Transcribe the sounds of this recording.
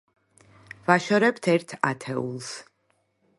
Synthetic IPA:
vaʃɔɾɛpt̪ʰɛɾt̪ʰat̪ʰɛṵlˠs

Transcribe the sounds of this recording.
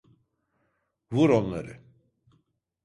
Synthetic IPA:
vuɾonlˠaɾɯ̰

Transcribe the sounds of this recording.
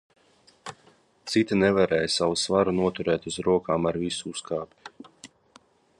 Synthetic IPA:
t̪sit̪ʲinevaɾɛːjsavusvaɾunuɔt̪uɾɛːt̪uzɾuɔkaːmaɾvisuuskaːp̪ʲi̥

